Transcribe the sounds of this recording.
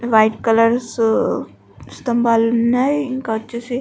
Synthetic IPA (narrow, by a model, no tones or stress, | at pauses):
ʋajʈkɐlɐɾs | st̪ɐmbaːlunːajiŋkaɐtːt͡ʃase